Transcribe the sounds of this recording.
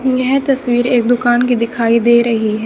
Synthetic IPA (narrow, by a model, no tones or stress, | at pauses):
jɛɦt̪ɐsʋiːɾeːk̚d̪ʊkaːnkid̪ɪkʰaːid̪eːɾɐɦiɦɛː